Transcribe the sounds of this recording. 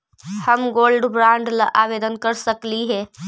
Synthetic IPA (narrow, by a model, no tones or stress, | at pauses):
həmɡoːlɖbɾãːɳɖlaʔaːʋeːd̪ənkəɾsəkliɦɛː